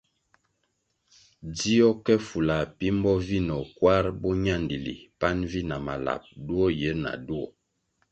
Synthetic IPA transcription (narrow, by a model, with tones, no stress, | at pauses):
di˦ɔ˦kɛ˦fu˨la˨pi˦m˦bɔ˦vi˦nɔ˨kwa˦ɾbɔ˦ɲa˦˨ndi˨lḭ˨pa˦nvi˦na˨ma̰˨la̰˨p̚du˦ɔ˦je˨˦na̰˨du˦ɔ̰˨